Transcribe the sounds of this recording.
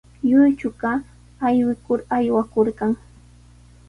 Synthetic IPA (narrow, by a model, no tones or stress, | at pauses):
jʊjt͡ʃʊɢɑ | ajwɪkʊɾajwakoɾɢɑŋ